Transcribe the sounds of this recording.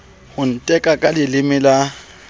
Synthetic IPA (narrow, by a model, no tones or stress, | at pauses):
hʊn̩tʼɛkʼakʼalɪlɪmɪla